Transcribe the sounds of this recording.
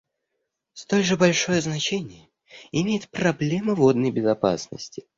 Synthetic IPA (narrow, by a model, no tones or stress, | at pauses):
st̪o̞lʲʐɨbɐlʲʂo̞jəznɐt͡ɕenʲɪjə | ɪmʲejɪt̪̚pɾɐblʲe̞məvo̞d̪nəjbʲɪzɐpa̰snə̰sʲtʲɪ̥